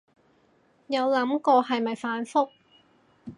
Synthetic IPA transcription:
jɐ˨˧wlɐ˨˥mkɔː˧ɦɐ˨jmɐ˨jfaː˨˥nfʊ˥k̚

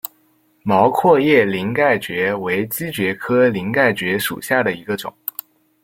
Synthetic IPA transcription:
mɑ˧˥ʊkʰwɔ˥˧jɛ˥˩li˧˥ŋka˥˩ɪt͡ɕɥɛ˧˥we˧˥ɪt͡ɕi˥t͡ɕɥɛ˧˥kʰɤ˥li˧˥ŋka˥˩ɪt͡ɕɥɛ˧˥ʂṵ˨˩ɕja˥˩d̪ə˩i˧˥ɡə˧ʈ͡ʂʊ̰˨˩˦ŋ

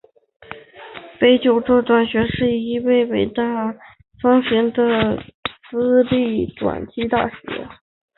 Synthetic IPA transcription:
pe˥ɪt͡ɕjo˨˩ʊʈ͡ʂɔ˥˩t̪wa˨˩nɕɥɛ˧˥ʂɻ̩˥˩i˥we˥˩ɪwe˨˩ɪt̪a˥˩ | fɑ˥ŋɕɥɛ˧˥nd̪ə˧sɹ̩˥li˥˩t̪wa̰˨˩nt͡ɕi˥t̪a̰˥˩ɕɥɛ̰˧˥

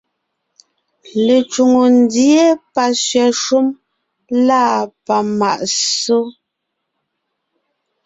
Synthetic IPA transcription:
le˨t͡ʃu˨ŋo˨n˦dje˦pa˨sɥɛ˨ʃu˦m | laː˦˨pa˨ma̰˨ʔso˦

